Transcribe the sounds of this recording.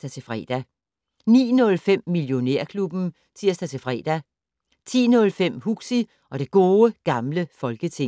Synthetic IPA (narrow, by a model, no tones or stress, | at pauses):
d̥æt͡sʰe̝fʁɛ̰ːd̥æ | nḭːnɔ̽lfem̰ːiljo̝neɐ̰kʰlub̥n̩ | t͡sʰiɐ̰sd̥æt͡sʰe̝fʁɛ̰ːd̥æ | t͡sʰḭːnɔ̽lfem̰huɡ̥si | ɒ̽ɾ̥e̝ɡ̥o̝ːəɡ̥ɑ̈mləfɒ̽lɡ̥ət͡sʰe̝ŋ